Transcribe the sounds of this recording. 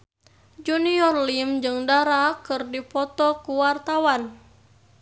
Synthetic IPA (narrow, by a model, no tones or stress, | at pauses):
d͡ʒuniɔrlimd͡ʒɨŋdaɾakɨrdipɔt̪ɔkuwart̪awan